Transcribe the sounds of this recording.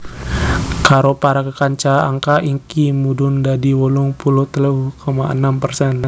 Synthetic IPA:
kaɾopaɾakəkaɲt͡ʃaa̰ŋkaʔiŋkimudʊndadiwɔlʊŋpuluht̪əlukomaənampərsɛn

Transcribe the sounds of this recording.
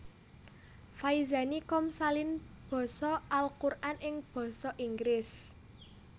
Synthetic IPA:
faiza̤nikɔmsalinb̥ɔ̤sɔʔalkurʔanɪŋb̥ɔ̤sɔʔiŋɡɾɪs

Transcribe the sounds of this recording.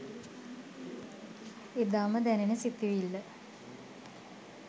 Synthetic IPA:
ed̪aːməd̪ænenəsit̪ːiʋilːə

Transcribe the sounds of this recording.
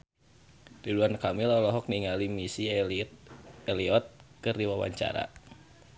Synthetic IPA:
diduankamilɔlɔɦɔk̚niŋalimisi | ɛliɔt̪̚kɨrdiwawa̰ɲt͡ʃa̰ɾa̰

